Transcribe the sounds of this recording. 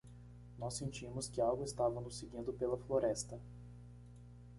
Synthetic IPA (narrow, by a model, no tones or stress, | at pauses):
nɔsːẽnt͡ʃĩmʊskɪawɡʊɪst̪avɐ̃nʊsɪɡĩnd̪ʊpelɐfloɾɛst̪ɐ